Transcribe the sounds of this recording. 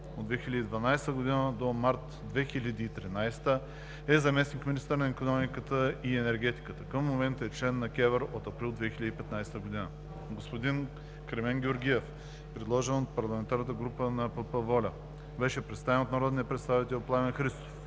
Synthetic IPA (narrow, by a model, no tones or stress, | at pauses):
od̪vɛxilʲəd̪iːd̪vɐnajst̪əɡod̪inəd̪omaɾt̪ | d̪vɛxilʲəd̪iːt̪ɾinajst̪ə | ɛzɐmɛsnikminist̪əɾnɐikonɔmikət̪əiɛnɛɾɡʲɛt̪i̥kət̪əkəfmomɛnt̪ɛt͡ʃlɛnːɐkʲɛvəɾot̪ɐpɾilˠd̪vɛxilʲəd̪ipɛt̪najst̪əɡʊd̪inə | ɡospod̪in | kɾɛmɛŋɡʲɛoɾɡʲiɛf | pɾɛd̪lˠɔʒɛnot̪̚pɐɾlˠɐmɛnt̪aɾnət̪əɡɾupənɐpɤpəvɔlʲɐ | bɛʃɛpɾɛt̪st̪avɛnot̪nɐɾɔd̪nit̪əpɾɛt̪st̪avit̪ɛlplˠavɛnxɾist̪o̥f